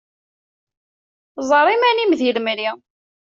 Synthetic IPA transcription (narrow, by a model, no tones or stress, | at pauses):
zˤəɾˤimænimðjəlmli